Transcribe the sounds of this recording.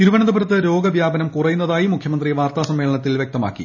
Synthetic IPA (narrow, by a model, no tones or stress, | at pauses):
t̪iɾuʋɐnɐd̪ɐbɐɾɐt̪ːɨɾo̞ːɡɐbjaːbɐnɐmkurɐjunːɐðaːjimukʰjɐmɐnd̪riʋaːrt̪aːsɐmːe̞ːɭɐɳɐt̪ːilʋjek̚t̪ɐma̰ːkːḭ